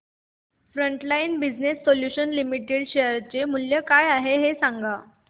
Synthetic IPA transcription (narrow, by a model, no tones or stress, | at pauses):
fɾəɳʈlainbid͡znesːoljuɕənlimiʈeɽɕeəɾt͡ɕemuljəkajaɦeɦesaŋɡa